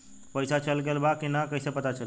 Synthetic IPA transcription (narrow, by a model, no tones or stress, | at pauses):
pəjsat͡ʃəlɡelbakinakəɦsepət̪at͡ʃəl